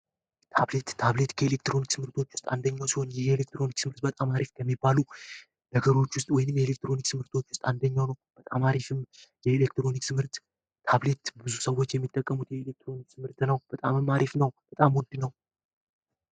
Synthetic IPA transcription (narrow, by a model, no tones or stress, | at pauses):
t̪ʰaβle̞t̪ːʰaβle̞t̪kʰəelek̚t̪ɾo̞nikt̪ʰɨmhɨɾt̪ʰo̞t͡ʃːwʊ̥st̪ʼand̪əɲːawsiho̞njɛhelek̚t̪ɾo̞niksɨmɨɾt̪̚bət̪ʼamaɾifkʰəmːibːalu | d̪əɡəɾo̞t͡ʃːwʊst̪ʼwɔjɪnɨmjelek̚t̪ɾo̞niksɨmhɨɾt̪ʰo̞t͡ʃːwʊst̪ʼand̪əɲːawnəwb̥ət̪ʼamaɾifɨmjɛelekt̪ɾo̞niksʰɨmhɨɾt̪ːʰ | aβle̞t̪bɨzusəwːo̞t͡ʃːjɛmːit̪ʼːəkʼːəmut̪jɛelek̚t̪ʰɾo̞nik̚sʰɨmɨɾt̪nəwb̥ət̪ʼamɨmːaɾifnəwb̥ət̪ʼamwɔnd̪nəw